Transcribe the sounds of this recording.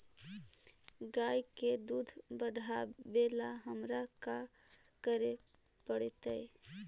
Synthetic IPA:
ɡajked̪ud̪ʱbəd̪ʱabelaɦəmɾakakəɾepəɽt̪əɪ

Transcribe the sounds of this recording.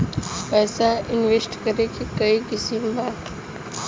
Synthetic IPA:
pɛːsãʔɪnʋesʈkɐɾekʰekɐikɪsimbaː

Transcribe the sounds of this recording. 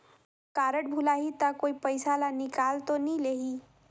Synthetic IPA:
kaːɾəʈ̚bʱulaːɦit̪akoːipəjsalanɪkaːlt̪onileːɦiː

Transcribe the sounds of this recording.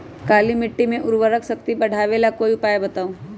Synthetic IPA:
kaːlimɪʈːimẽʔʊɾʋəɾəksɐkt̪ibɐɽ̤ʱaːʋeːlakoːiʊpaːebɐt̪aːõ

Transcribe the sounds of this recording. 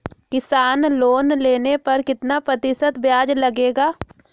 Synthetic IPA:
kɪsaːnloːnleːnepɐɾkɪt̪napɾɐt̪ɪsət̪bjaːd͡ʒlɐɡeːɡaː

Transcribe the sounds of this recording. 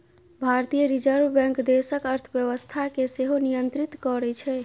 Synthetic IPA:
bʱaɾt̪ijəɾid͡ʒəɾbbɛ̃ŋkd̪esəkəɾt̪ʰbjəβəst̪ʰakeseɦonijənt̪ɾit̪kɔɾɛt͡ʃʰɛ

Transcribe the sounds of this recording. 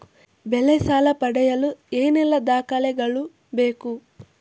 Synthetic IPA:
belɛsaːlɐpɐɽɛjɐlueːnɛlːɐd̪aːkɐlɛɡɐɭu | be̞ːku

